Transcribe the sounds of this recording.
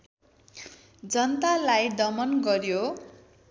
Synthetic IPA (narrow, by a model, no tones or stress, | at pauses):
d͡zʌnt̪alajd̪ʌmʌnɡʌrjo